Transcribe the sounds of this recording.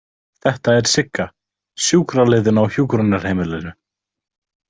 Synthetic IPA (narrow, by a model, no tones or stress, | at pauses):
θɛht̪aɛɾ̥sɪkːa | sjuːkɾaleːðʏnawçjuːkɾʏnːaɾ̥heːjmɪlɛɾʏ